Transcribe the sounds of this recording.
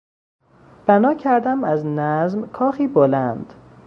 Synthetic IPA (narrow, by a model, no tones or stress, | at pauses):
b̥ænɒːcʰæɾd̪æmæznæzmkʰɒːxiːbolænd̪̥